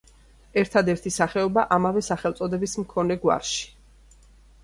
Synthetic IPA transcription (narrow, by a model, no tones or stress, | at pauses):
ɛɾt̪ʰad̪ɛɾt̪ʰisaχɛɔbaʔamavɛsaχɛlt̪sʼɔd̪ɛbismkʰɔnɛɡwa̰ɾʃi̥